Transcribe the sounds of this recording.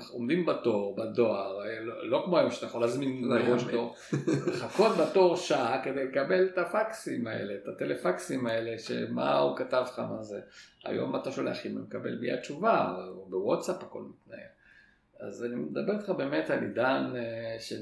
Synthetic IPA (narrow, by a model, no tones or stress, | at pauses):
omd̪imbat̪oʁbad̪o̞aʁlolo̞kmoajomʃat̪ajaχolazminlaʁoʃkoʁ | leχako̞t̪̚bat̪o̞ʁʃaked̪e̞jlekabe̞lt̪afaksimaḛle̞t̪at̪elefaksimae̞leʃḛma̰ukatavχamazea̰jo̞̰mat̪aʃoleaχinumekabe̞̰lbia̰t͡ʃuvaabewotsaphako̞̰lmit̪na̰je | a̰zanimed̪abe̞ʁit̪χabe̞ːmet̪alid̪anʃe